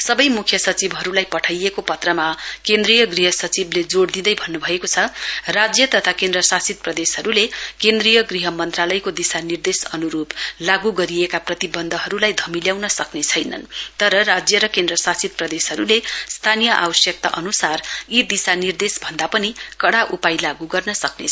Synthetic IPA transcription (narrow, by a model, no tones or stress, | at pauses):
sʌbʌjmukʰjʌsʌt͡sibɦʌɾulajpʌʈʰajekopʌt̪rʌmakend̪rijʌɡriɦʌsʌt͡sibled͡zoɽd̪id̪ʌjbʱʌnːubʱʌekot͡sʰʌrad͡zjʌt̪ʌt̪ʰakendrʌsasit̪̚prʌd̪esɦʌɾulekend̪rijʌɡriɦʌmʌnt̪ralʌjkod̪isanird̪esʌnuɾublaɡuɡʌɾiekaprʌt̪ibʌnd̪ʱʌɦʌɾulajd̪ʱʌmiljawnʌsʌknet͡sʰʌjnʌ̰nt̪ʌɾʌrad͡zjʌɾʌkend̪rʌsasit̪̚prʌd̪esɦʌɾulest̪ʰanijʌʔa̰bʌsjʌk̚t̪a̰ʔʌnusarid̪isanird̪esbʱʌnd̪apʌnikʌɽaʔupajlaɡuɡʌrnʌsʌkne